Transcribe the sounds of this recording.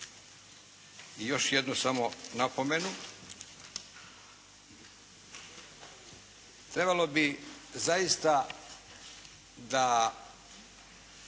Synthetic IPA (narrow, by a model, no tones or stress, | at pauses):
ijo̞ʃjed̪nusamo̞napome̞nu | t̪ɾe̞balo̞bizajist̪a | d̪a